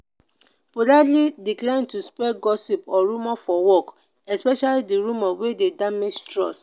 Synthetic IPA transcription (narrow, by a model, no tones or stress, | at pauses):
podalidiklãɪ̃ntuspɛɡɔsipɔɹumɔfɔwɔk | ɛspɛʃalidiɹũmɔwededamed͡ʒtɹɔ̰s